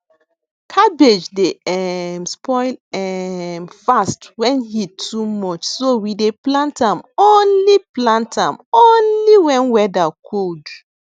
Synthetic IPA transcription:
kʰabed͡ʒdeɛmspʰɔɪlɛmfastwɛ̃nhitʰumɔt͡ʃsowideplãntãmonliplãntʰãmonliwɛ̃nwɛdakʰod

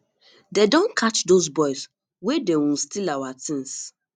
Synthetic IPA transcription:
dedɔ̃nkʰat͡ʃdozbɔɪs | wedewũnstilawatĩns

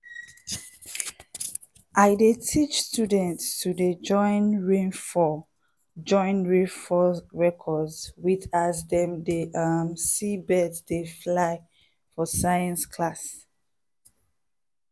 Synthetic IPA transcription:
ʔaɪdetʰit͡ʃstjudə̃ntstʰudəd͡ʒɔ̃ɪ̃nɹẽnfɔ | d͡ʒɔ̃ɪ̃nɹefɔɹɛkʰɔdzwiðazdɛ̃mdeʔʌmsibɛtdeflaɪ | fɔsaɪə̃nskʰlas

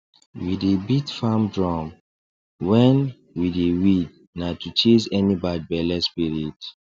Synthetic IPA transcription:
widebitfamdɹɔ̃m | wɛ̃n | widewid̚ | natut͡ʃizɛnibad̚bɛlɛspiɹit

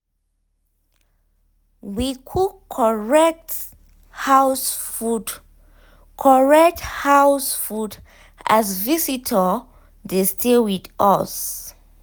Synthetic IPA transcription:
wikʰuɔɹɛk̚t | hawsfud | kʰɔɹɛk̚thawsfud | a̰zvisitʰə | destʰewida̰s

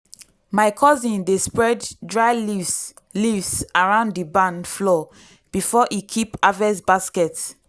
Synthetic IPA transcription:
maɪkʰɔzĩndespɹɛddɹaɪ | livsaɹãʊ̃ndibãnflɔ | b̥ifɔʔikʰipavɛsbaskɛt

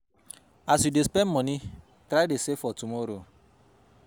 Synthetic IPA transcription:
asidespem̩mɔnɪ | tɾadesefɔtumoɾo

